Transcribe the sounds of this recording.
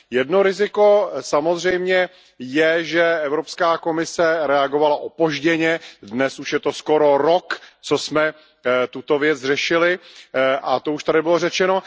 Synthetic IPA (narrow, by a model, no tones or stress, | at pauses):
jɛdno̞ɾɪzɪko̞samo̞zr̝ɛjmɲɛ | jɛʒɛʔɛvɾopskaːko̞mɪsɛɾɛaɡo̞valaʔopo̞ʒɟɛɲɛdnɛsuʃjɛt̪o̞sko̞ɾo̞ɾokt͡sosmɛ | t̪ut̪o̞vjɛd͡zrɛʃɪlɪʔat̪ouʃt̪adɪbɪlo̞rɛt͡ʃɛno̞